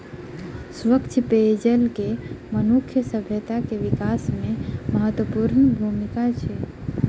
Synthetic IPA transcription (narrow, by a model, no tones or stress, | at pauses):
sʋəkt͡ʃʰped͡ʒəlkemənukʰjəsəbʱjət̪akeʋikasmẽməɦət̪wəpuɾnbʱumikat͡ʃʰe